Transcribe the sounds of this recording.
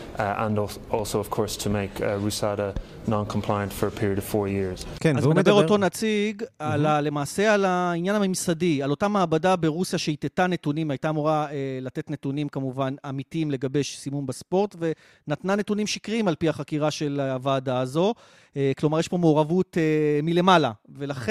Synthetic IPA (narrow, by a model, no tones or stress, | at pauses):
ʔə̰̃n | ɔlˠsoʊəv̥kʰɔɹstʰəmeɪkʰɹʉsaɾə | nɑ̃nkʰə̃m̩pʰl̥aɪə̃ntfə˞əpʰɪɹiəɾəv̥fɔɹjɪɹz̥kenazmemd̪abeotonat͡siɡalale̞maːse̞alainjanamimsadialo̞tamaːbadabe̞ʁusjaʃeitetane̞tunimajtamuʁaelate̞tne̞tunimkamuvanamitiimle̞ɡabe̞jʃsimumbaspo̞ʁtve̞ | natnane̞tunimʃikʁimalpiaχakiʁaʃe̞laavaːdaːzo̞ | eklo̞maʁjeʃpo̞meoʁavutemile̞malave̞laχ